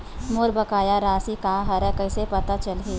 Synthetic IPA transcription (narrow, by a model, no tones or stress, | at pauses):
moɾbɐkaːjaɾaːsikãɦɐɾɛ̃kɐɪsepɐt̪at͡ʃɐlɦeː